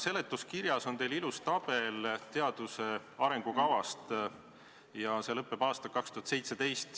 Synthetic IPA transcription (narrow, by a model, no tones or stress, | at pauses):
se̞le̞t̪ːˑuskiɾjɑso̞nt̪e̞jlilust̪ɑb̥e̞lt̪e̞ɑd̪̥use̞ɑɾe̞ŋɡ̥ukɑvɑst̪ | jɑse̞lɤpːˑe̞b̥ɑːst̪ɑlkɑkst̪uhɑt̪se̞jt̪se̞d̪e̞jst̪